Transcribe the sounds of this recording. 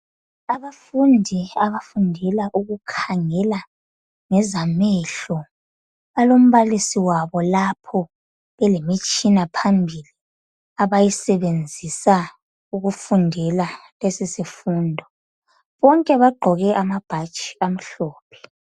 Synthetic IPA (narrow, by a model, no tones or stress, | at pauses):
aβafundʱiaβafundʱɛlaʔuɣukʰaŋɛla | ŋɛzamɛɬɔ | βalom̩βalisiwaβɔlapʰɔ | βɛlemit͡ʃʼinapʰambʱili | aβajisɛβend͡zʱisa | uɣufundʱɛlalesisifuːndʱɔ | βɔŋkʼɛβaɡ͡ǃʱɔɣɛʔamab̥ʱat͡ʃʼi̥am̩ɬɔːp̚ʰɛ̥